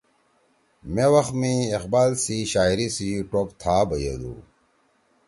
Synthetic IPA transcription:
mẽwɐxmĩeqbaːlsiɕaːiɾisiʈopt̪ʰaːbɐjḛd̪ṵ

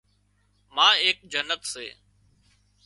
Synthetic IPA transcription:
mãːeːk̚d͡ʒənət̪sḛː

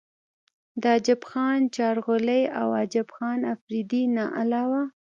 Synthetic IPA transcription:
d̪əɑd͡ʒɪbxɑnt͡ʃɑɾɣolejawɑd͡ʒɪbxɑnafɾid̪inɑʔalɑwa

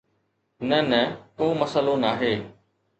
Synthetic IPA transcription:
nɐnɐkoːmɐsəlonaːɦeː

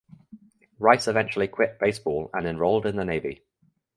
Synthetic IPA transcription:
ɹaɪsɪvɛ̃nt͡ʃuəlikʰw̥ɪʔ̚b̥eɪsb̥ɔːlə̰̃nɪ̃nɹɒʊlˠdɪ̃nðəneɪvḭ

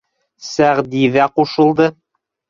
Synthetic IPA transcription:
sæʁd̪iðæquʃɤ̆lˠd̪ɤ

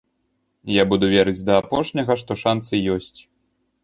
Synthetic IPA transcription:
jabud̪uvʲɛɾɨd͡zʲd̪ɐːpɔʂnʲɐɣɐʂt̪ɔʂant̪sɨjɔsʲt͡sʲ

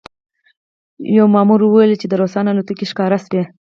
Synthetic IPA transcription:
jawmɑmuɾwəwelt͡ʃed̪əɾosɑnalot̪əkeʃkɑɾaswe

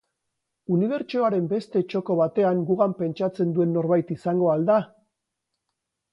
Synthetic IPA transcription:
uniβ̞e̞ɾt͡ʃo̞aɾe̞mbe̞st̪e̞t͡ʃo̞ko̞βat̪e̞aŋɡuɣampe̞nt͡ʃat͡se̞nd̪ue̞nːo̞ɾβajt̪isaŋɡo̞ald̪a

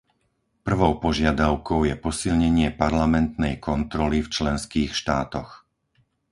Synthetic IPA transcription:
pr̩ʋɔʊpɔʒɪad̪aʊkɔʊjɛpɔsilɲɛɲɪɛpaɾlamɛnt̪nɛjkʰɔnt̪ɾɔlift͡ʃlɛnskiːxʃt̪aːt̪ɔx

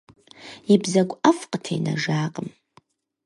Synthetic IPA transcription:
ibzaɡʷʼafqʼətʰḛjna̰ʐaːqʼəm

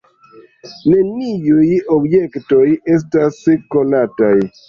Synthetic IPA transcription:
ne̞niujobjekto̞je̞s̬tasko̞nataj

